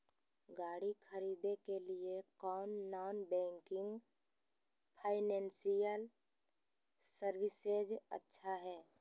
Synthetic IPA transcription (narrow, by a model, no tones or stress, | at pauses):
ɡaːɽikʰɐɾiːd̪ekeliekɔːnːaːnbɛ̃ːŋkɪ̃ŋɡ | pʰaːɪnɛ̃ːnsijəl | səɾwɪsed͡ʒə̰tːʃʰaɦɛː